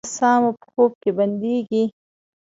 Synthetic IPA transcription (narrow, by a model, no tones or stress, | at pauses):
sɑːmapxoːp̚kebɐnd̪eɡi